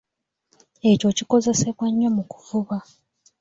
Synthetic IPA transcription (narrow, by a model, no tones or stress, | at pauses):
e̞co̞ciko̞ze̞se̞βwaɲːo̞muku̥vuβa